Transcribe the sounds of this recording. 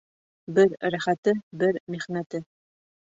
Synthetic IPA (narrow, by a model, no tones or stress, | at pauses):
bɘɾɾæχæt̪ɘbɘɾmiχnæt̪ɘ